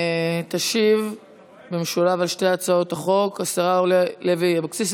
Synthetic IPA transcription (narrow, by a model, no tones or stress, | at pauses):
t̪aʃiv | bemeʃulavalʃteat͡sao̞taχo̞kasaʁaoleleviabakt͡sis